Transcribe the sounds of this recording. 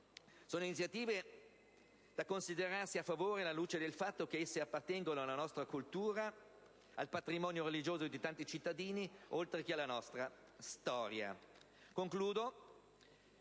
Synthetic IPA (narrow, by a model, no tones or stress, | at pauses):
soːnoinit̪sːjat̪iːve | d̪̥akonsid̪eɾarsiafːavoːɾelaluːt͡ʃed̪elfat̪ːok̟eesːeapːart̪ɛŋɡonoalːanɔst̪ɾakult̪uːɾa | alpat̪ɾimɔːnjoɾelid͡ʒoːzod̪it̪ant̪it͡ʃit̪ːad̪iːniolt̪ɾekealːanɔst̪ɾa | st̪ɔːɾja̰ | koŋkluːd̪o